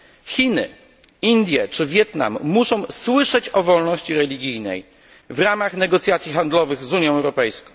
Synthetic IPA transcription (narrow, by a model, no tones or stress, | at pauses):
xʲinɘ̰ | ind̪ʲjɛt͡ʂɘvʲjɛt̪na̰mːuʂɔ̃w̃swɘʂɛt͡ɕɔvɔlnɔɕt͡ɕiɾɛlʲiɡʲijnɛ̰j | vɾamaxnɛɡɔt̪sʲjat̪sʲjixand̪lɔvɘɣzuɲjɔ̃w̃ɛwɾɔpɛjskɔ̃w̃